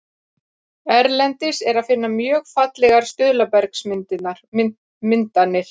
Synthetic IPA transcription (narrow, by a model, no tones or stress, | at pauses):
ɛɾlɛnt̪ɪsɛɾaðfɪnːamjœːɣfat̪lɛɣaɾ̥st̪ʏðlapɛɾksmɪnt̪ɪaɾ̥ | mɪnt̪anːɪɾ̥